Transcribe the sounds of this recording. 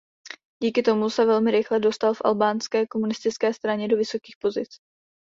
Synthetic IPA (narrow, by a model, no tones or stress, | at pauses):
ɟiːkɪt̪o̞musɛvɛlmɪɾɪxlɛdo̞st̪alfʔa̰lbaːnskɛːko̞munɪst̪ɪt͡skɛːst̪ɾaɲɛdo̞vɪso̞kiːxpo̞zɪt͡s